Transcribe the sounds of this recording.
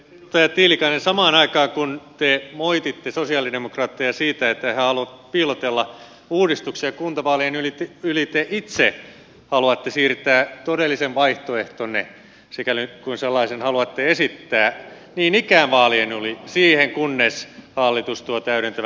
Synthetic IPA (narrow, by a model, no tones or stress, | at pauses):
t̪æjɑt̪iːlikɑinensɑmɑːnɑikɑːkunt̪emoit̪it̪ːesosiɑːlidemokrɑːt̪ːejɑsiːt̪æet̪ːæhæhɑluɑpiːlot̪elːɑ | uːdist̪uksiɑkunt̪ɑʋɑːlienylit̪ylit̪eʔit̪se | hɑluɑt̪ːesiːrt̪æːt̪odelːiseʋʋɑiht̪oeht̪onːḛ | sekælikunselːɑisenhɑluɑt̪ːeesit̪ːæː | niːnikæːnʋɑːlienulisiːheŋkunːeshɑlːit̪ust̪uɑt̪æyɾent̪æʋ